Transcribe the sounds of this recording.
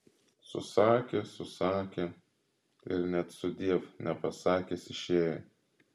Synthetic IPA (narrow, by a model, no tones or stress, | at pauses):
sʊ̰sɑːkʲesʊsɑːkʲe | ɪɾnʲɛt̪sʊd̪ʲiɛfnʲɛpɐsɑːkʲesɪʃʲeːjɛ